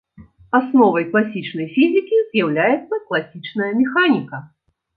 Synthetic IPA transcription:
asnɔvɐjklˠasʲit͡ʂnɐjfʲizʲɨkʲizjawlʲajɛt̪sːɐklˠasʲit͡ʂnɐjɐmʲɛxanʲikɐ

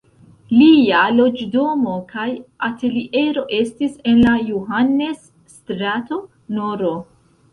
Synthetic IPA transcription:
lialo̞d͡ʒdo̞mo̞kajate̞liʔe̞ɾo̞ʔe̞stise̞nlajuɦanːe̞sː | tɾato̞ | noɾo̞

